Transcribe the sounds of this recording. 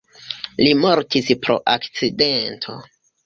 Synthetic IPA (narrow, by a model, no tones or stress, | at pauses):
limo̞ɾtispɾo̞̰ʔakt͡sidentʰo̞̰